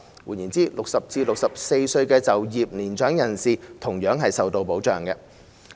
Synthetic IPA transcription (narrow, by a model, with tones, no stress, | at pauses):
wu˨˩njiː˨˩nt͡siː˨˥lʊ˨k̚sɐ˨p̚t͡siː˧lʊ˨k̚sɐ˨p̚se˧jsɵ˧ɥkɛː˧t͡sɐ˨wjiː˨p̚niː˨˩nt͡ʃœː˨˥ŋjɐ˨˩nsiː˨˩t̪ʰʊ˨˩ŋjœː˨˥ŋɦɐ˨jsɐ˨wt̪o˧wpo˨˥wt͡ʃœː˨˩ŋkɛ˧